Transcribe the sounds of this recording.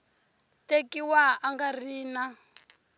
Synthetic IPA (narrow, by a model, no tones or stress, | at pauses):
tekiwaaŋɡariːna